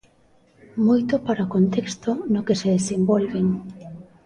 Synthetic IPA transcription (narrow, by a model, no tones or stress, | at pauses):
mojt̪ʊpaɾaokont̪ekst̪onʊkeseðesembolβeŋ